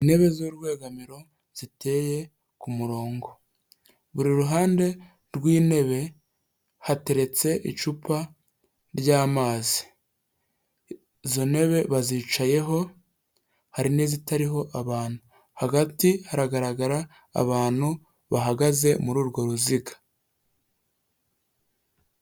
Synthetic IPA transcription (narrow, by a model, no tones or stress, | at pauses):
ine̞βe̞zoɾɡwe̞ːɡamiɾo̞ | z̥ite̞ːje̞ | kumuɾo̞ːŋɡo̞ | βuɾiɾuɦaːnde̞ | ɾɡwiːne̞βe̞ | hate̞ɾe̞t͡se̞ʔḭt͡ʃupa | ɾjaːmaːzi̥ | zo̞ne̞βe̞βaziːt͡ʃaje̞ɦo̞ | haɾine̞ːzitaɾiɦo̞ʔaβaːn̥hu | haɡatihaɾaɡaɾaɡaɾa̰ː | βaːn̥hu | βaɦaɡaze̞muɾuːɾɡo̞ɾuziɡḁ